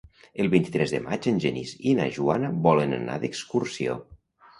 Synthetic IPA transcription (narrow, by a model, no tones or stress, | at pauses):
əlˠβint̪i̥t̪ɾɛzðəmad͡ʒənʲʒənḭzina̰ʒuanəβɔlənə̰na̰ðəkskursio̰